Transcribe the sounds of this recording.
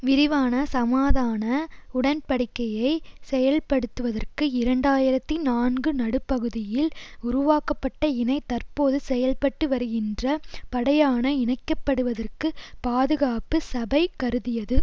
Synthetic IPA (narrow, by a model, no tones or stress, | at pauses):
ʋɪɾɪʋaːnɐsɐmaːðaːnɐʊɽɐnpɐɽɪkːɐjɐɪsɛjɐlpɐɽɯt̪ːɯʋɐðɐrkɯɪɾɐɳɖaːjɪɾɐt̪ːinaːnɡɯnɐɽɯpːɐɣɯðɪjɪlʊɾʊʋaːkɐpːɐʈːɐɪnɐɪt̪ɐrpoːðɯsɛjɐlpɐʈːɯʋɐɾɯɣɪndrɐpɐɽɐjaːnɐɪnɐɪkːɐpːɐɽɯʋɐðɐrkɯpaːðɯɣaːpɯsɐbɐɪkːɐɾɯðɪjɐðɯ